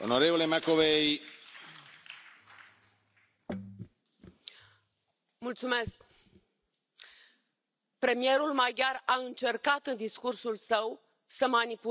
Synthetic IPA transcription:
onoɾevolemakovej | mult̪sume̞sk | pɾe̞mie̞ɾulmajɡʲaraɨnt͡ʃe̞rkat̪ɨnd̪iskursulsəw | səmanipu

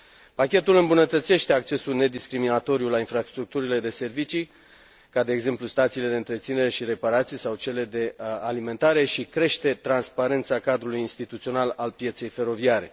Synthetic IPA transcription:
pakʲe̞t̪ulɨmbunət̪ət̪se̞ʃt̪e̞ak̚t͡ʃe̞sulne̞d̪iskɾiminat̪o̞ɾijulainfɾast̪ɾuk̚t̪uɾile̞d̪e̞se̞rvit͡ʃi | kad̪e̞ːɡze̞mplust̪at̪sile̞d̪e̞ɨnt̪ɾe̞t̪sine̞ɾe̞ʃiɾe̞paɾat̪sijsawt͡ʃe̞le̞d̪e̞alime̞nt̪aɾe̞ʃikɾe̞ʃt̪e̞t̪ɾanspaɾe̞nt̪sakad̪ɾulujinst̪it̪ut̪sio̞nalalpije̞t̪se̞jfe̞ɾo̞viaɾe̞̰

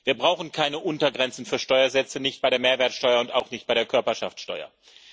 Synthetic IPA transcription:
viːɐbʁaʊxn̩kʰaɪnəʔʊntɐɡʁɛnt͡sn̩fyːɐʃtɔʏɐzɛt͡sənɪçt̚b̥aɪɾeːɐmeːɐvɛːɐtsʃtɔʏɐʊntaʊxnɪçt̚b̥aɪdeːɐkʰœɐpɐʃaftʃtɔʏɐ̰

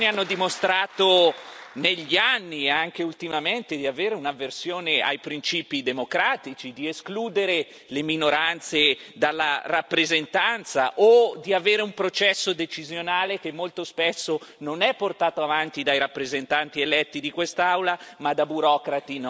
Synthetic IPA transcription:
nianːod̪imost̪ɾaːt̪o | neʎːianːiaŋk̟eult̪imament̪ed̪iaveːɾeunavːersjoːnea̰jpɾint͡ʃiːpid̪emokɾaːt̪it͡ʃid̪ieskluːd̪eɾe | leminoɾant̪sed̪alːarapːɾezent̪ant̪sa̰ʔod̪iaveːɾeumpɾot͡ʃɛsːod̪et͡ʃizjonaːlek̟emːolt̪ospesːononɛpːort̪aːt̪oavant̪id̪ajɾapːɾezent̪ant̪ielɛt̪ːid̪ikwest̪awlamad̪abuɾɔːkɾat̪in

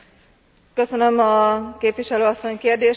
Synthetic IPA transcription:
køsønømɒkeːpʋiʃɛløːɒsːo̞ɲkeːrd̪eːʃ

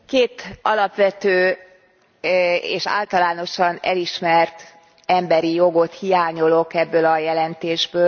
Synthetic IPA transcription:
keːt̪ɒlɒpʋɛt̪øː | ḛːʃa̰ːlt̪ɒlaːno̞ʃɒnɛ̰liʃmɛrt̪ | ɛmbɛɾijo̞ɡo̞t̪hijaːɲo̞lo̞kɛbːølɒjɛlɛnt̪eːʒbøː

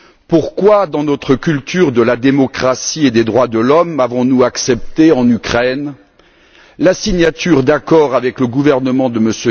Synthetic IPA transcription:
puʁkwad̪ɑ̃nɔt̪χəkʲylt̪yʁd̪əlad̪emɔkχasied̪ed̪ʁwad̪əlɔmavɔ̃nuaksɛp̚t̪eɑ̃nykχɛn | lasiɲat̪yʁd̪akɔʁavɛkləɡuvɛʁnəmɑ̃d̪əməsø

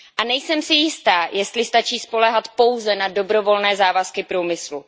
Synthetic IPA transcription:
ʔanɛjsɛmsɪjɪst̪aːjɛst̪lɪst̪at͡ʃiːspo̞lɛɦat̪po̞wzɛnado̞bɾo̞vo̞lnɛːzaːvaskɪpɾuːmɪslṵ

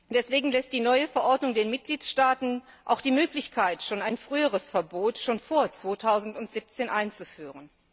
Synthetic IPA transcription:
d̥ɛsv̥eːɡŋ̩lɛst̚d̥iːnɔʏəfɛɐʔɔɐtnʊŋdeːnmɪt̚ɡ̥liːtʃtaːtn̩ | ʔa̰ʊxd̥iːmøːklɪçkʰaɪtʃoːnaɪnfʁ̥yːəʁ̞əsfɛɐboːtʃoːnfoːɐt͡sv̥oːtʰaʊzn̩tʊntz̥iːp̚t͡seːnʔaɪnt͡sufyːʁən

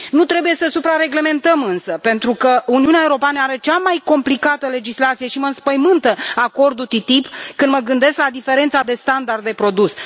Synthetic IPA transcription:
nut̪ɾe̞buje̞səsupɾaɾe̞ɡle̞me̞nt̪əmɨnsəpe̞nt̪ɾukəuniuneaeuɾo̞peanəaɾe̞t͡ʃamajko̞mplikat̪əle̞d͡ʒislat̪sije̞ʃiməɨnspəjmɨnt̪əako̞rd̪ut̪it̪ipkɨnd̪məɡɨnd̪e̞sklad̪ife̞ɾe̞nt̪sad̪e̞st̪and̪ard̪ːe̞pɾo̞d̪us

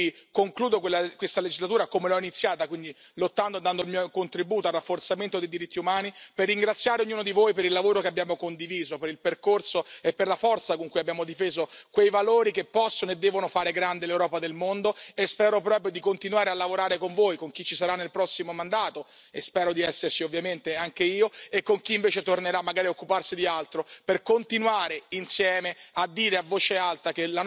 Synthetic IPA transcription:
koŋkluːd̪okwelːakwest̪aled͡ʒizlat̪uːɾakomelɔinit̪sːjaːt̪akwind̪i | lot̪ːand̪ond̪and̪oilmiːokont̪ɾibuːt̪oarːafːort̪sament̪od̪ejd̪iɾit̪ʰːiumaːniperːiŋɡɾat̪sːjaːɾeoɲːuːnod̪ivojpeɾilːavoːɾokeabjaːmokond̪iviːzopeɾilperkorsoepːerlafɔrt̪sakoŋkujabːjaːmod̪ifeːzokwejvaloːɾikepːɔsːonoed̪ːɛːvonofaːɾeɡɾand̪elewɾɔːpad̪elmond̪oespɛːɾop̬ɾɔːpɾjod̪ikont̪inwaːɾealːavoɾaːɾekoɱvoːjkoŋk̟it͡ʃːisaɾanːelpɾɔsːimomand̪aːt̪o | espɛːɾod̪iɛsːersiovːjament̪eaŋk̟eiːoekːoŋkiːɱveːt͡ʃet̪orneɾamːaɡaːɾiaokːuparsid̪ialt̪ɾoperkont̪inwaːɾeinsjɛːmead̪ːiːɾeavːoːt͡ʃealt̪akela

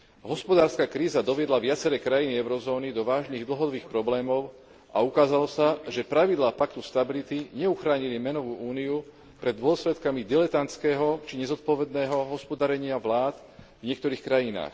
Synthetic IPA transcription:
ɦɔspɔd̪aːɾskaːkɾiːzad̪ɔʋɪɛd̪laʋɪat͡sɛɾɛːkɾajiniɛʊɾɔzɔːnid̪ɔʋaːʒniːɣd̪l̩ɦɔd̪ɔbiːxpɾɔblɛːmɔʊ | ʔa̰ukaːzalɔsaʒɛpɾaʋid̪laːpakt̪ust̪abilit̪iɲɛuxɾaːɲilimɛnɔʋuːʔuːniu | pɾɛd̪ːʊɔslɛt̪kamid̪ɛlɛt̪ant͡skɛːɦɔt͡ʃiɲɛzɔt̪̚pɔʋɛd̪nɛːɦɔɦɔspɔd̪aɾɛɲɪaʋlaːt̪ | vɲɪɛk̚t̪ɔɾiːxkɾajina̰ːx

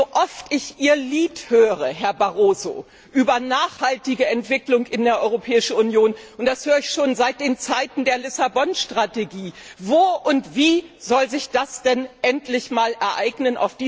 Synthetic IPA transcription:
zoʔɔftɪçʔiːɐliːthøːʁəɦɛɐbaʁoːzo̰ː | ʔyːbɐnaːχhaltɪɡəɛntv̥ɪklʊŋɪndeːɐʔɔʏʁopʰɛːɪʃn̩unjoːnʊnt̚d̥ashøːʁɪçʃoːnzaɪt̚d̥eːnt͡saɪtn̩deːɐlɪsabɔnʃtʁ̥ateɡiːvoːʔʊntv̥iːz̥ɔlzɪçd̥asd̥ɛnʔɛntlɪçmaːlʔɛɐʔaɪɡnəna̰ʊfd̥iː

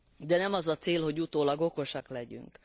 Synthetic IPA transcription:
d̪ɛnɛmɒzɒt̪seːlho̞ɟut̪oːlɒɡo̞ko̞ʃɒklɛɟy̰ŋk

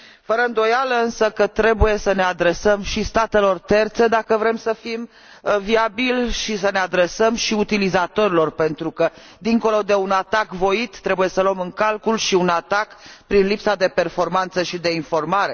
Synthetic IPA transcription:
fəɾəɨnd̪o̞jaləɨnsəkət̪ɾe̞buje̞səne̞ad̪ɾe̞səmʃist̪at̪e̞lo̞rt̪e̞rt̪se̞d̪akəvɾe̞msəfim | viabilʃisəne̞ad̪ɾe̞səmʃiut̪ilizat̪o̞ɾilo̞rpe̞nt̪ɾukə | d̪iŋko̞lo̞d̪e̞unat̪akvo̞it̪ːɾe̞buje̞səloəmɨŋkalkulʃiunat̪akpɾinlipsad̪e̞pe̞rfo̞rmant̪səʃid̪e̞info̞rmaɾe̞

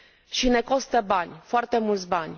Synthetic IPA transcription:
ʃine̞ko̞st̪əbanʲfoart̪e̞mult̪sʲbanʲ

